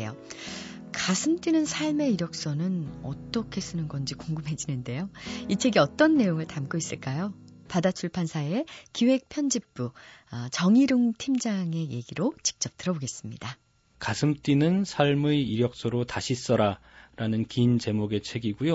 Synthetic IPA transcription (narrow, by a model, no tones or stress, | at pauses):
jo | kasʰɯmt͈inɯnsʰaɭme̞iɾjʌk̚s͈ʌnɯnʌ̰t͈ʌkʰe̞s͈ɯnɯnɡʌnd͡ʑikoŋɡɯmɦe̞d͡ʑinɯnde̞joit͡ɕʰe̞ɡiʌt͈ʌnːe̞joŋɯɭtamk͈ois͈ɯɭk͈ajopadat͡ɕʰuɭpʰansʰaekiwe̞k̚pʰjʌnd͡ʑip̚p͈ut͡ɕʌŋiɾɯŋtʰimd͡ʑaŋe̞je̞ɡiɾot͡ɕi̥k̚t͡ɕ͈ʌp̚t͈ɯɾʌboɡe̞s͈ɯmɲida | kasʰɯmt͈inɯnsʰaɭmɯiɾjʌk̚s͈ʌɾotaɕʰis͈ʌɾa | ɾanɯnkint͡ɕe̞moɡe̞t͡ɕʰe̞ɡiɡujo